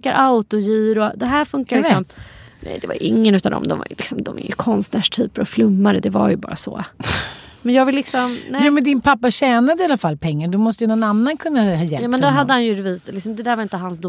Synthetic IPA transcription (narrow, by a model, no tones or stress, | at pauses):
kaɾʔaʊt̪ɔjiːɾɔd̪ɛɦæːɾfɵŋkaɾlɪkːsɔmnɛ̰jd̪ɛva̰j̰ʔɪŋːənʉ̟ːt̪and̪ɔ̰md̪ɔ̰mva̰jlɪksɔmd̪ɔmɪ̰jəkʰɔnst̪næːʂʈʰyːpəɾɔflɵmːaɾəd̪ɛva̰jɵbɑ̰ːɾasɔ̰ː | mɛnjɑːɡvɪlːɪksɔmnɛj̪ɛːmɛnd̪ɪnpʰapːaɕɛːnad̪əɪalːafalpʰɛŋːaɖɔmɔst̪əjɵnɔnanːankʰɵnːahɑjɛljɑːmɛnd̪ɛɦadd̪ːəhanjɵɾɛviːslɪksɔmd̪ɛd̪æːɾvaɾɪnt̪əhansd̪ʊ